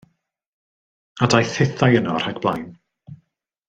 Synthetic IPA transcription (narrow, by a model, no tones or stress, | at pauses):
adajθɪθajənɔr̥aɡb̥lˠa̰jn